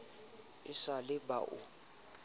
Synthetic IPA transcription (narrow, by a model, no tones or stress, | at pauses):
ɪsalɪba̰ʔʊ̰